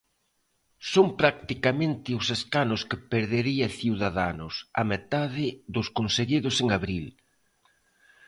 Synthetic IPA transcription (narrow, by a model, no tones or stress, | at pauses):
sompɾak̚t̪ikamẽnt̪ɪʊseskanʊskɪpeɾðeɾiɐθiwðaðanʊsa̰met̪aðɪðʊskonseɣiðʊseŋaβɾil